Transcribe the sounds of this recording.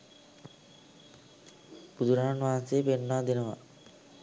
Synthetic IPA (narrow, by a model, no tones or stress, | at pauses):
pud̪uɾaːɳʋaːnseːpeɳːaːd̪inɐʋa̰